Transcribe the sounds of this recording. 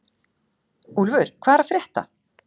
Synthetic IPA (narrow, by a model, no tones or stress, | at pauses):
ulvʏɾ̥kʰvaːðɛɾafɾjɛht̪a̰